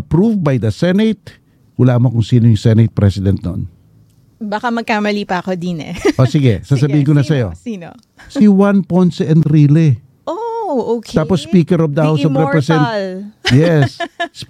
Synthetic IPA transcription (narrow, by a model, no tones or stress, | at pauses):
ɐpɾuvbajd̪ɐsɛnɛt̪̚ | wʊlaːmokʊŋsiːnojʊŋsɛnɛt̪̚pɾɛsɪd̪ɛnt̪no̰n | bakamɐɡ̚kaːmɐliːpɐɐkod̪inɛ̰ʔosiɡɛ̰sas̬ɐbiːhɪ̃nkonɐsɐjo̞̰sino | siwãnpojnt̪sɛ̃nd̪ɾilɪ | ʔook̪aːpospiːkɛɾɔp̚d̪ɐhawsobɾɛpɾɛsɛnt̪ljɛss